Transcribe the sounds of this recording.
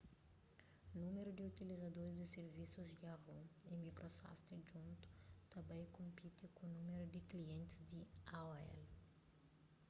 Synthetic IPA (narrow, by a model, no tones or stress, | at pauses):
nũmeɾud̪iut̪ilizad̪oɾɪzd̪ɪseɾvisuzɡaʁoimikɾosɔ̰ft̪ʒũnt̪u̥t̪ɐ̃mbẽj̃kõmpit̪ɪkõnũmeɾud̪ɪkliẽnt̪ɪzd̪ɪaoɛ̰l